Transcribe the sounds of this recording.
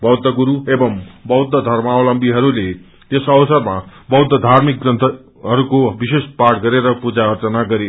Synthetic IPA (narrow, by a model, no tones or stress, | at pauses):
bʌwd̪ʱːʌɡuɾuebʌmbʌwd̪ʱːʌd̪ʱʌrmaolʌmbiɦʌɾule | t̪esʌwsʌrmabʌwd̪ʱːʌd̪ʱarmik̚ɡrʌnt̪ʰʌ | ɦʌɾukobisespaʈɡʌɾeɾʌpud͡zaʌrt͡sʌnaɡʌɾe